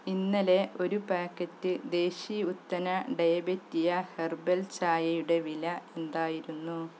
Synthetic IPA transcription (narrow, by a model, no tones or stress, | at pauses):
inːɐle̞ʔo̞ɾupaːkːɐtːɨd̪e̞ːɕiut̪ːɐnɐɖɐjɐbɐtːijɐherbɐlt͡ɕaːjɐjuɽe̞ʋilɐe̞nd̪aːjiɾunːu